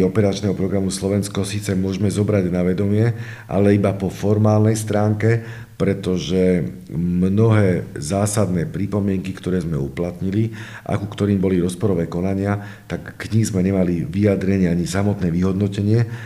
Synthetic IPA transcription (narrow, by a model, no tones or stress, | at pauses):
ɔpɛɾat͡ʃnɛɦɔpɾɔɡɾamuslɔʋɛnskɔsiːt͡sɛmʊɔʒmɛzɔbɾaɟnaʋɛd̪ɔmɪɛ | ʔa̰lɛibapɔfɔɾmaːlnɛjst̪ɾaːŋkɛ | pɾɛt̪ɔʒɛ | mnɔɦɛːzaːsad̪nɛːpɾipɔmɪɛŋkikt̪ɔɾɛːzmɛuplat̪ɲili | ʔa̰kukt̪ɔɾiːmbɔliɾɔspɔɾɔʋɛːkɔnaɲɪa | t̪akːɲizmɛɲɛmaliʋijad̪ɾɛɲɪɛaɲisamɔt̪nɛːʋiɦɔd̪nɔcɛɲɪɛ